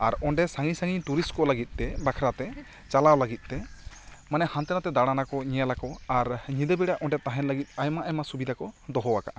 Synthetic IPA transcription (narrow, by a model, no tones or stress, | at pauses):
aɾɔɳɖɛsaŋisaŋiɲt̪uɾiskɔləɡit̪̚ˀt̪ɛbakʰɾat̪ɛ | t͡ʃalawlaɡit̪̚ˀt̪ɛ | manɛhant̪ɛnat̪ɛd̪aɽanakɔɲɛjalakɔaɾɲid̪ɛbiɽaʔɔɳɖɛt̪aɦɛnləɡit̪̚ajmaʔɛjmasubid̪ʱakɔd̪ɔɦɔwaka̰ʔa